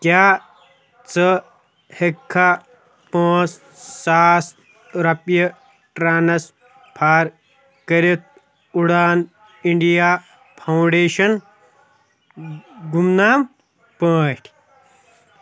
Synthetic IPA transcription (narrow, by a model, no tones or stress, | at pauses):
kjaː | t͡sɐ | hekʰːa | paːt͡s | saːs | ɾɐpjɐ | ʈɾaːnɐs | pʰaːɾ | kɐɾit̪̚ | uɽaːn | iɳɖijaː | pʰɐwɳɖeːʃɐn | ɡumnaːm | paːʈʲʰ